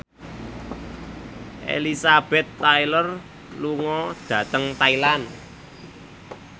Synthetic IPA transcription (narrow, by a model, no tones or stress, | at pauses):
ʔḛlisab̥ɛ̤t̪ːailɔr | luŋɔd̪̥ä̤t̪əŋt̪ailan